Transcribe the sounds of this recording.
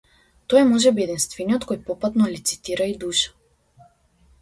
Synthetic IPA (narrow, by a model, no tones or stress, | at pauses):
t̪ɔjmɔʒɛbiɛd̪inst̪vɛniɔt̪kojpɔpat̪nɔlit̪si̥t̪iɾaid̪uʃḁ